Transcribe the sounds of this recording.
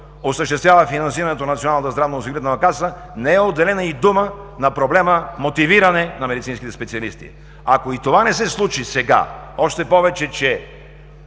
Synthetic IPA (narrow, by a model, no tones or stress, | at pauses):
osəʃt̪ɛst̪vʲjavəfinɐnsiɾɐnɛt̪onɐt̪sionalˠət̪əzd̪ɾavnosiɡɾiɛt̪nəvɐkasə | nɛɛod̪ːɛlɛnəid̪umənɐpɾoblɛməmot̪iviɾɐnɛnɐmɛd̪it̪sinskit̪ɛspɛt̪siɐlist̪ḭ | akoit̪ovanɛsɛslˠut͡ʃisɛɡa̰ɔʃt̪ɛpɔvɛt͡ʃɛt͡ʃɛ